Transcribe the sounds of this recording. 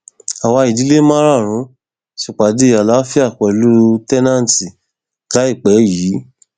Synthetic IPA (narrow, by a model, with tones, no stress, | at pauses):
a˨wa˧i˨di˨˦le˦mã˦ɾa˦˨ɾ̃ũ˨˦ | ʃi˧˨k͡pa˨de˦˨a˨la˨˦fi˦a˦˨kɛ˨lu˦tɛ˦nã˦˨n˨ti˨ | la˨˦i˦˨k͡pɛ˨˦jiː˨˦